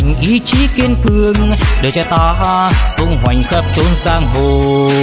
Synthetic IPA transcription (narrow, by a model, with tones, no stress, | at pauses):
ŋ̟ʔi˨˧˦t͡ɕi˨˦ki˧ənkɨ˧əŋɗɨ˨˩t͡ɕa˧˩t̪aː˧ɦʔo˧ŋ͡mɦwa˨˩jŋ̟xəː˧˥p̚t͡ɕo˧˦nzaː˧ŋɦo˧˩